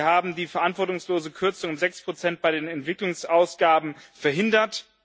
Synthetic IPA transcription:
haːbm̩diːfɛɐʔantv̥ɔɐtʊŋsloːzəkʰʏɐt͡sʊŋʊmzɛkspʁ̥ot͡sɛnt̚b̥aɪdeːnɛntv̥ɪklʊŋsʔaʊsɡ̥aːbm̩fɛɐɦɪndɐt

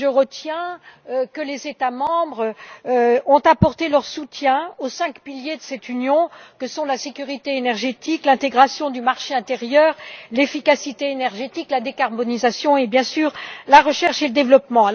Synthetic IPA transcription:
ʒəʁət̪jɛ̃økəlezet̪amɑ̃bʁ | ɔ̃t̪apɔʁt̪elœʁsut̪jɛ̃osɛ̃kpiljed̪əsɛt̪ynjɔ̃kəsɔ̃lasekʲyʁit̪eenɛʁʒet̪iklɛ̃t̪eɡʁasjɔ̃d̪ymaʁʃeɛ̃t̪eʁjœːʁlefikasit̪eenɛʁʒet̪iklad̪ekaʁbɔnizasjɔ̃ebjɛ̃syːʁlaʁəʃɛʁʃeləd̪evlɔpmɑ̃

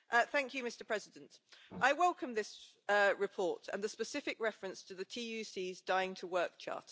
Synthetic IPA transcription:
ʔʌθæ̃ŋkʰjɨmɪstəpʰɹ̥ɛzɪdə̃ntʔaɪwɛlˠkʰə̃mðɪs | əɹɪpʰɔˑtə̰̃nðəspəsɪfɪkɹɛfɹə̃nstʰəðətʰiːjʉsiːzdaɪɪ̃ŋtʰəwɜˑk̚t͡ʃʰɑ̰ˑt

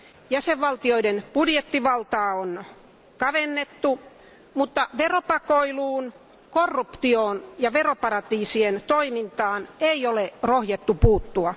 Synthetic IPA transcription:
jæseʋʋɑlt̪ioidenb̥udjet̪ːiʋɑlt̪ɑːon | kɑʋenːet̪ːu | mut̪ːɑʋeropɑkoiluːn | korːupt̪ioːnjɑʋeropɑɾɑt̪iːsient̪oimint̪ɑːneiolerohjɑt̪ːupuːt̪ːuɑ

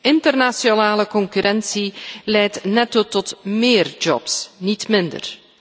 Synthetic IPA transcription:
ɪntərnasionaːləkɔŋkyɾʔɛnsilɛjtnɛtotɔtmɪːrd͡ʒɔ̰psnitmɪndə̰r

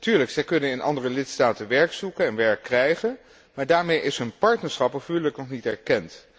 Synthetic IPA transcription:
tyːɹləksɛjkɵnənɪnʔɑ̰ndərəlɪtstaːtənʋɛɹksukənɛnʋɛɹkːrɛjχən | maːɹdaːɹmejʔɪsɦɵnpɑɹtnəɹsχɑpəvyləknɔχnitɛɹkɛnt

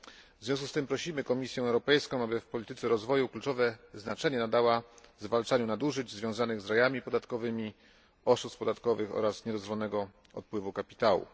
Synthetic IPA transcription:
vzvʲjɔ̃s̬kust̪ɘmpɾɔɕimɘkɔmʲisʲjɛ̃ɛwɾɔpɛjskɔ̃w̃abɘfpɔlʲit̪ɘt̪sɛɾɔzvɔjuklut͡ʂɔvɛznat͡ʂɛɲɛnad̪awazvalt͡ʂaɲunad̪uʐɘd͡ʑzvʲjɔ̃zanɘɣzɾajamʲipɔd̪at̪kɔvɘmʲi | ɔʂust̪pɔd̪at̪kɔvɘxɔ̰ɾasɲɛd̪ɔzvɔnɛɡɔ | ɔ̰t̪̚pwɘvukapʲi̥t̪awṵ

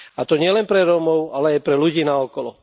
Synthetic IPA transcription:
at̪ɔɲɪɛlɛnpɾɛɾɔmɔʊalɛajpɾɛluɟiːnaɔkɔlɔ

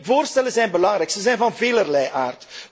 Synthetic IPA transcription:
voːrstɛləzɛjnbəlɑŋɾɛjksəzɛjnvɑnveːlərlɛjʔaːrt

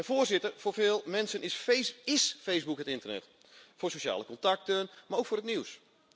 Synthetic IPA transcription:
əfoːrzɪtərfoːrfɪːlˠmɛnsənɪɪsfejsbukhətɪntərnɛ̰t | foːsoʃa̰ːləkɔntak̚tənmarowkfoːɾətniws

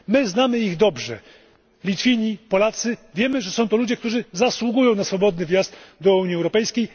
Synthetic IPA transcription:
mɘznamɘiɣd̪ɔbʐɛ̰ | lʲit̪fʲiɲipɔlat̪sɘvʲjɛmɘʐɛsɔ̃w̃t̪ɔlud͡ʑɛkt̪uʐɘzaswuɡujɔ̃w̃nasfɔbɔd̪nɘvʲjazt̪d̪ɔuɲiɛwɾɔpɛjskʲej

